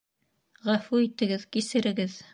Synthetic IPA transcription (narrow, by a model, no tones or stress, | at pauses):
ʁæfuit̪ɘ̆ɡɘðkisɘ̆ɾɘ̆ɡɘð